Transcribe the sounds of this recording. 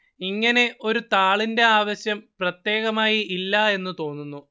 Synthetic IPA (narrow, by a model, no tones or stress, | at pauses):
iŋːɐne̞ʔo̞ɾut̪aːɭinde̞aːʋɐɕjɐmprɐt̪je̞ːɣɐmaːjiʔilːɐe̞nːut̪o̞ːnːunːu